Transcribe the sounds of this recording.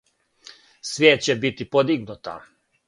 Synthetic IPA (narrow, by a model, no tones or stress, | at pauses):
sʋjeːt̪̚t͡ɕebit̪ipod̪iɡnut̪a̰